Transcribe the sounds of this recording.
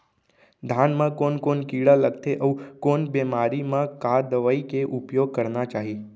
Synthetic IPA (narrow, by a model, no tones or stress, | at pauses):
d̪ʱanmãkonkonkiɽaləɡt̪ʰeʔəʋkonbɛmaɾimãkad̪əʋaikeʔupjoɡ̚kəɾnat͡ʃaɦi